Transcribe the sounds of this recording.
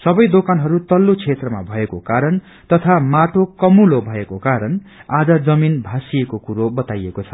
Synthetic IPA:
sʌbʌjd̪okanɦʌɾut̪ʌlːot͡sʰet̪rʌma̰bʱʌekokaɾʌn | t̪ʌt̪ʰamaʈokʌmulobʱʌekokaɾʌnad͡zʌd͡zʌminbʱasijekokuɾobʌt̪ajekot͡sʰʌ̥

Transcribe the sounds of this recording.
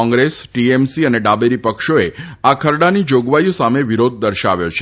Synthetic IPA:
ɔ̃ŋɡɾesʈiemsiəneɖabeɾipəkʃoeakʰəɾɽanid͡ʒoɡʋajosameʋiɾod̪̚ʱːəɾʃa̰ʋjot͡ʃʰe

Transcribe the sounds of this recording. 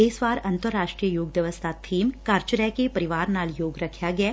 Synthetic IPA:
eːsʋaːɾɐ̃nt̪əɾːaːʂʈɾijəjoːɡd̪jəʋəst̪ʰaːt̪ʰiːmkaːɾt͡ʃəɾakepɐɾiʋaːɾnaːljoːɡɾɐkʰjaɡɐja

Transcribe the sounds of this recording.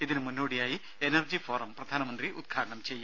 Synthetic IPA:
iðinɨmunːoːɽijaːji | e̞nɐrd͡ʑifo̞ːrɐmprɐd̪ʱaːnɐmɐnd̪riʔṵd̪̚ɡʰʱaːʈɐɳɐmt͡ɕejːum

